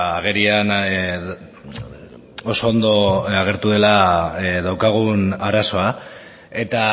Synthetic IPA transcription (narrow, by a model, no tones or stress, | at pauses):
aɣe̞ɾian | oso̞ːnd̪o̞aɣ̞e̞ɾt̪uðe̞laðawkaɣ̞unaɾaso̞a | e̞t̪a